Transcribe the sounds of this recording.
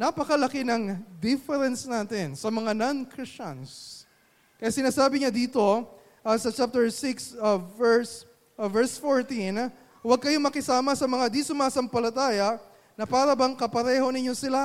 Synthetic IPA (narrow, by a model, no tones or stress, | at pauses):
napɐkɐlɐkɪnɐŋd̪ɪfɛɾɛnsnaːt̪ɪnsɐmɐŋanankɹɪst͡ʃɐ̰ns | kɐjasɪnaːsaːbɪɲad̪iːt̪o̞ | ʔɐsɐt͡ʃap̚t̪ɛɹsɪksɛɹs | vɛɹsfoɹt̪in | wɐɡ̚kɐjo̞mɐkɪsaːmɐsɐmɐŋad̪isʊmaːsɐmpɐlɐt̪aːjɐʔ | nɐpaːɾɐbɐŋkɐpɐɾɛːho̞nɪɲːo̞sɪla